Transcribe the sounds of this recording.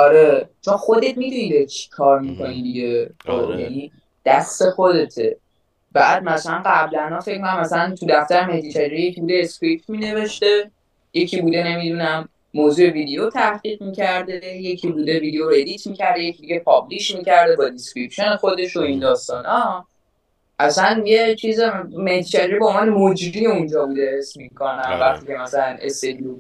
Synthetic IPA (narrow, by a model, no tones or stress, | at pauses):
ɒɾe̞t͡ʃʰonxod̪e̞t̪mid̪unid̪et͡ʃʰi̥kʰɒːɾmikʰo̞nid̪iɟe̞t̪ʰo̰jæ̰ni | d̪̥æst̪e̞xod̪e̞t̪ʰḛ | b̥æːd̪̚mæsælænɢæblænɒfe̞cʰmkʰonamːæsælænt̪ʰud̪æft̪æɾemed̪it͡ʃʰæd͡ʒeijecʰibuːd̪eːskɾip̚t̪mine̞ve̞ʃt̪e̞ | je̞cʰibuːd̪e̞ne̞mid̪unæmː | oːzuːe̞vid̪ejot̪ʰæhʁ̥iːʁmiːcʰæɾd̪eje̞cʰibud̪e̞viːd̪ejoɾe̞lit̪ʰmicʰæɾd̪ejecʰid̪iɟe̞pʰɒbliʃmicʰæɾd̪e̞bɒd̪iskɾipʃonexo̞d̪e̞ʃo̞ind̪ɒːst̪ɒːnɒ | ʔæsænjet͡ʃʰiːzmeht̪ʰit͡ʃʰæd͡ʒeɾibomvɒːnemod͡ʒɾieũnd͡ʒɒːbud̪e̞hesmikʰonæmvæχt̪iːcʰe̞mæsælænḛst̪ed̪iu